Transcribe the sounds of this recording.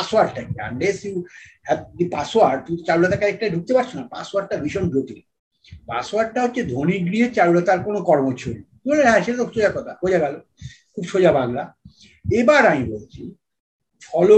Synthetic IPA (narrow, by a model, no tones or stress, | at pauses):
pasoaɖʈakia̰mɾesiuhɛt̚d̪ipasowaɖ̚t̪umit̪ot͡ɕaɾulat̪akaɾek̚ʈajɖʱuk̚t̪epaɾt͡ɕʰonapa̰soaɾʈaɾbiʃonbɾot̪il | pa̰soaɾʈaɦotːɕʰed̪ʱoniɡɾiɦet͡ɕaɾuɽat̪aɾkonokɔɾmot͡ɕʰoɾnit̪olenɦɛ̃ʃeʈat̪oʃod͡ʑakɔt̪ʰakod͡ʑaɡalo | kʰubʃod͡ʑabaŋla | ebaɾamibolet͡ɕʰi | fʰɔlo